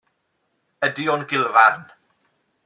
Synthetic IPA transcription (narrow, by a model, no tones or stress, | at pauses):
ədiɔnɡɪlˠvarn